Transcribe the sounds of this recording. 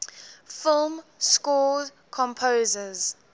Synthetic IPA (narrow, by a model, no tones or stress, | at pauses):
fɪlˠmskɔd | kʰɔ̃mpʰoːzəz̥